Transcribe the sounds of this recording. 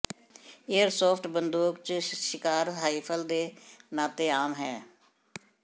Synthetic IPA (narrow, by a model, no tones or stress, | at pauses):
eːəɾsoːpʈbənd̪uːkt͡ʃʃɪkaːɾɦaːiːpʰəld̪eːnaːt̪eːaːmɦɛː